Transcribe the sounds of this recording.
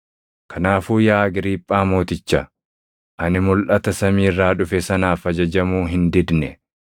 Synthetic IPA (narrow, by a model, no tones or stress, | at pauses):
kʰɐnaːfuːjaːɐɡɪɾiːpʼːaːmo̞ːt̪ɪt͡ʃːɐ | ʔɐnɪmʊlʔɐt̪ɐsɐmiːrːaːᶑʊfɛsɐnaːfɐd͡ʒɐd͡ʒɐmuːɦɪnd̪ɪd̪nɛ